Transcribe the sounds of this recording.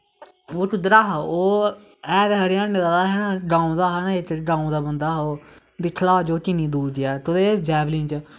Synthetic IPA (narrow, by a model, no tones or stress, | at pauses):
oːt͡ʃʊd̪ɾaːɦaoː | ɛːd̪ɦəɾjãːnɪd̪aːd̪aːɦɛːnãːɡãːũːd̪aːɦaːnãet̪ːeɡãːũːd̪aːbənd̪aːɦoː | d̪ɪkʰːlaːd͡ʒoːkɪnĩːd̪uːɾɡɪjaːt̪ʊd̪eːd͡ʒɛːblĩːnt͡ʃ